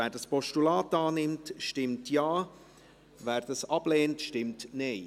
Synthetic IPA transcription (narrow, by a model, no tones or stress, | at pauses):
æːɾdɑspɔʃtulaːtɑːnɪmtʃtɪmtjaː | ʋæːɾd̥ɑsɑb̥leːntʃtɪmtneɪ